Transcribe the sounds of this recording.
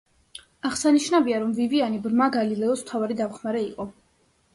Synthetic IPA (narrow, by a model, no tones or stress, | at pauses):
aʁsaniʃnaviaɾɔmvivianibɾmaɡalilɛɔsm̥t̪ʰavaɾid̪amχmaɾɛiqʼɔ